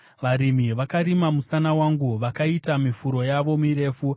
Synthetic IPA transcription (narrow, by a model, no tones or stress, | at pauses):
ʋaɾimiʋakaɾimamusanawaŋɡuʋakaitamifuɾo̞jaʋo̞miɾe̞ːfu